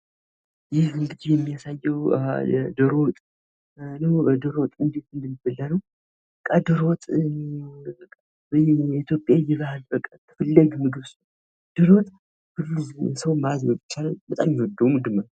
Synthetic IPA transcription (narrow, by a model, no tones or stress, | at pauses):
jɪhɨŋɡɨd̪ijɛmːijasajːɛw̰ | d̪ɨɾo̞t̪ʼ | nəwd̪ɨɾot̪ʼɨnd̪e̞t̪ɨnd̪əmibəlːanəw | bəkʼːad̪ɨɾot̪ʼ | bit̪ʰjo̞pʼjajɛβahalbəkʼːat̪ʰɨfəlːəɡmɨɡɨβs | d̪̥ɨɾot̪ʼ | hɨlːusəwmazɾəbit͡ʃːalabət̪ʼamjɪhɔd̪əwmʊd̪ɨmal